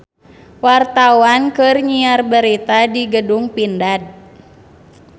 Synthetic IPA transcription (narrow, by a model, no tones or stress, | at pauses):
wart̪awankɨrɲiarbəɾit̪adiɡəduŋpindad̚